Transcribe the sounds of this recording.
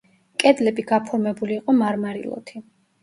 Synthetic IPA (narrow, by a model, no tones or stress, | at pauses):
kʼɛd̪lɛbiɡapʰɔɾmɛbuliːqʼɔmaɾmaɾḭlˠɔ̰t̪ʰi